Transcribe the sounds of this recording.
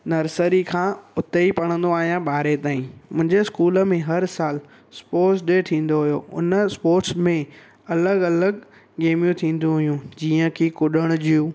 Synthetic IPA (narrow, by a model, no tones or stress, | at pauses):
nɐɾsəɾikʰãːʊt̪əipɐɽ̃ə̃n̆d̪oaːɦijãɓaːɾet̪aːĩmʊ̃ɦɪ̃ɲd͡ʑeɪskuːlə̆mẽɦɐɾsaːl | spoːʈsɗet̪ʰĩːn̆d̪oɦʊijoʊ̰nəspoːɾʈsmẽ | ɐləɡɐləɡ | ɡeːmijũt̪ʰĩːn̆d̪ũɦʊjũd͡ʑiːə̃kʰikʊɗəɽ̃ʊd͡ʑijũ